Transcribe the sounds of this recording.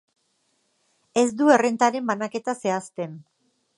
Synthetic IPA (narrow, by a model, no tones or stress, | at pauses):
e̞zd̪ue̞re̞nt̪aɾe̞mbanake̞t̪ase̞ast̪e̞n